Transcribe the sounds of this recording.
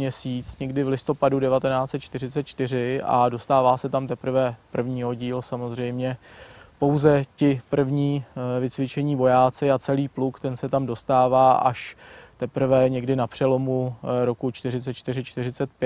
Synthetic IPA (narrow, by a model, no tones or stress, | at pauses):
ɲɛsiːt͡sɲɛɡdɪvlɪst̪o̞padudɛvat̪ɛnaːt͡sɛt̪̚t͡ʃt̪ɪɾɪtt͡sɛt̪t͡ʃt̪ɪr̝ɪʔa̰do̞st̪aːvaːsɛt̪amt̪ɛpɾ̩vɛpr̩vɲiːɦo̞ɟiːlsamo̞zr̝ɛjmɲɛpo̞wzɛcɪpr̩vɲiːvɪt͡svɪt͡ʃɛɲiːvo̞jaːt͡sɪat͡sɛliːplukt̪ɛnsɛt̪amdo̞st̪aːvaːʔa̰ʃt̪ɛpɾ̩vɛɲɛɡdɪnapr̥ɛlo̞muɾo̞kut͡ʃt̪ɪrɪt͡sɛt̪t͡ʃt̪ɪrɪt͡ʃt̪ɪrɪt͡sɛt̪̚pjɛ